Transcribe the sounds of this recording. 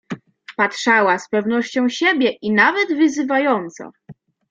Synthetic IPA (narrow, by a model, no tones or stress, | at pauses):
patʂawaspɛvnɔɕt͡ɕɔ̃w̃ɕebʲjɛʔinavɛd̪vɘzɘvajɔnt̪sɔ̰